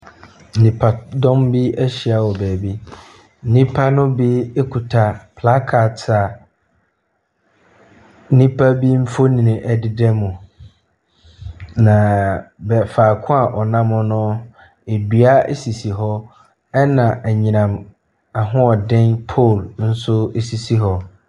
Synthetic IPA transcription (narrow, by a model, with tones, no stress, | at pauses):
n̩˨nĩ˨pʰa˨dɔ̃˦mbi˦æ˦ɕi˨a˨wɔ˨bɛː˨bi˦ | n̩˦nĩ˦pʰa˦nʊ̃˦bi˦e˦kʰu˨tʰa˨pʰla˦kʰa˨ta˨˦ | nĩ˦pʰa˦bi˦m̩˦fo˦nĩ˨nɪ̃˨ʔɛ˨dɪ˨dɛ˦mʊ̃˨ | nã˨bɛ˨faː˨kʰʊ̃˦a˨ʔɔ˨nã˦mʊ̃˦nʊ̃˦ | e˨dɥa˦ḛ˦si˨si˨ɦɔ˦ | ɛ˦nã˨ʔɛ˨ɲĩ˨nã˨m | a˨ɦʊ̃˦ɔ˨dɪ̃˦npʰo˦˨ln̩˦sʊ˦e˦si˨si˦ɦɔ˦